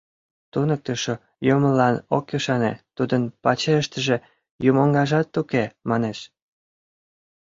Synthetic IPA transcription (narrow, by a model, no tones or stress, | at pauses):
t̪unək̚t̪əʃo | joməlɑnokjuʃɑnḛt̪ud̪ənpɑt͡ɕeəʃt̪əʒe | jumoŋɡɑʒɑt̪ːukemɑneʃ